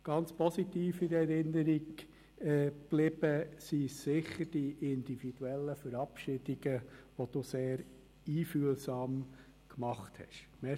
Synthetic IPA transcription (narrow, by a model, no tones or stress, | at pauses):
ɡ̥ɑnt͡spʰɔsitiːfɪɾɛɾɪnːəɾiɡ | ɛb̥lɪb̥əsisːɪχəɾd̥iʔɪnd̥̪ifid̥uɛlːəfəɾɑpʃɪd̥iɡ̥əʋɔd̥useːɾ | iːfyəlsɑːm | kmɑχthɛ̰ʃmɛ